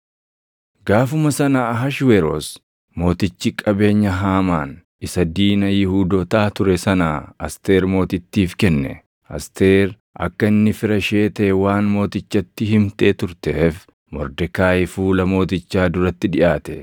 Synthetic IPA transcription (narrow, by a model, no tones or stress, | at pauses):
ɡaːfʊmɐsɐnaːɦɐʃweɾo̰ːs | mo̞ːt̪ɪt͡ʃːɪkʼɐbe̞ːɲːɐɦaːmaːn | ɪsɐd̪iːnɐjɪhuːd̪oːt̪aːt̪ʊɾɛsɐnaːɐst̪eːɾmo̞ːt̪ɪt̪ːiːfkɛnːɛ̰ | ɐ̰st̪e̞ːɾ | ʔɐ̰kːɐɪnːɪfɪɾɐʃe̞ːt̪ɐʔɛwaːnmo̞ːt̪ɪt͡ʃːɐt̪ːɪɦɪmt̪ʼe̞ːt̪ʊɾt̪ɛf | mɔ̰ɾd̪ɛkaːjɪfuːlɐmo̞ːt̪ɪt͡ʃːaːd̪ʊɾɐt̪ːɪᶑɪʔaːt̪ɛ